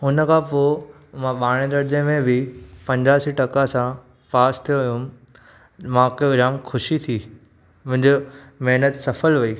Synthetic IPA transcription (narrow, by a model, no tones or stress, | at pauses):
ɦʊnəkʰãpoː | mãɓaːɽ̃ẽd̪ɐɾd͡ʑẽmẽbʱɪpɐ̃ɲd͡ʑaːsiʈɐkasã | faːst̪ʰijoʋijũ | mãːkoɡɾaːmkʰʊʃit̪ʰiː | mʊ̃ɦɪ̃ɲd͡ʑo | mɛɦnət̪sɐfəlʋɐiː